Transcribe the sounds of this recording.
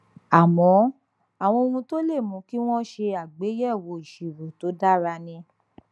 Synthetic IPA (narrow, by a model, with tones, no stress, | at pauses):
a˨mɔ̃˨˦ | a˨w̃ɔ̃˧o˧ũ˧to˦le˦˨mũ˨˧˦ki˦w̃ɔ̃˦ʃe˧a˨ɡ͡be˨˦jɛ˦˨wo˧˨i˨ʃi˨ɾo˨to˨˦da˦ɾa˧nĩ˧